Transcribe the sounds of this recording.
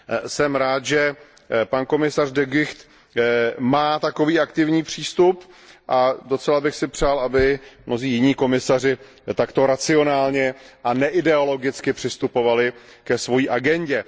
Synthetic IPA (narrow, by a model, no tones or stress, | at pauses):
sɛmɾaːt̪ʒɛ | panko̞mɪsardɛɡɪxt̪ | maːt̪ako̞viːʔakt̪ɪvɲiːpr̝̥iːst̪upʔado̞t͡sɛlabɪxsɪpr̝̥aːlʔabɪmno̞ziːjɪɲiːko̞mɪsarɪ | t̪akt̪o̞ɾat͡sɪo̞naːlɲɛʔanɛʔɪdɛo̞lo̞ɡɪt͡skɪpr̝̥ɪst̪upo̞valɪ | kɛsvo̞jiːʔaɡɛɲɟɛ